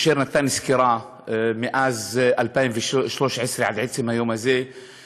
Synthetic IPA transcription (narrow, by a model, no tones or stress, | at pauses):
ʃiːɾnat̪ːaːniskiɾˤɑː | mɪʔaːzʔalpaːmviʃʃloːʃʕɪsɾiʕad̪ʕɪd̪simajoːmazeː